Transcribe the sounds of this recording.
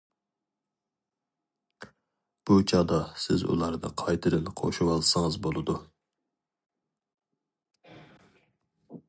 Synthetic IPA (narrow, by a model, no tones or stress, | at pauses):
b̥ut͡ʃʰɑːd̪ɑsɪzṵlˠɑɾd̪ɨ̰qʰɑjt̪ʰɨɾɨnqʰo̰ʃuwɑlˠsɨŋɨzbolˠɨd̪u